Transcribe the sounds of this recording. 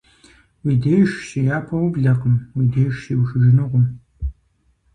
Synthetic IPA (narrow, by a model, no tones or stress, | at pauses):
wiːdejʃsijaːpʰɐwubɮɐqəmwiːdejʃsiːwʃɨʒɪnɨʁʷʊm